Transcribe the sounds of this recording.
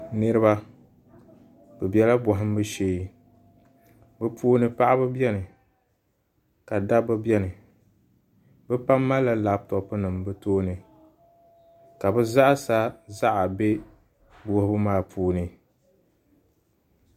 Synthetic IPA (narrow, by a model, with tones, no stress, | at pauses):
nɨ˦ɾɨ˦ba˦ | bɛ˨bɛ˦la˦bɔ˨ɦɪ˦m˦bɨ˦ʃeː˦ | bɨ˦puː˦nɨ˦pa˦ʔa˦bɨ˦bɛ˦nɨ˨ | ka˨da˦bɨ˦bjɛ˦nɨ˨ | bɛ˦pa˦mːa˦la˦la˨˦b̚tɔ˨ʔpɨ˦nɨ˨mbɨ˦toː˦nɨ˨ | ka˨bɛ˦za˦ʔsa˦za˦ʔa˨be˦ | bʊ˦hɨ˦bɨ˦maː˦˨pʰuː˨˦nɨ˨